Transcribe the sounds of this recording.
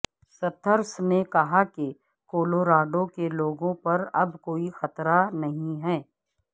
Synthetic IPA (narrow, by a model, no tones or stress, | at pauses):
sɐt̪ʰəɾsnekɐɦake | koːloːɾaːɖõkeloːɡõpɐɾɐbkoːixɐt̪ɾanɐɦĩɦɛː